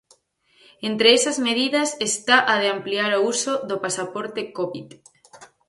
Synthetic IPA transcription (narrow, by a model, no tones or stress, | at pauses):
ent̪ɾeesazmeð̞iðasest̪aʔaðeampliaɾousoðopasapoɾt̪ekoβit̪